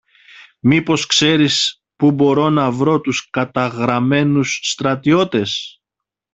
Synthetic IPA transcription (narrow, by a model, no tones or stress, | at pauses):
mipo̞skse̞ɾis | pubo̞ɾo̞nɐvɾo̞t̪uskɐt̪ɐɣɾɐme̞nusːt̪ɾɐt̪io̞t̪e̞s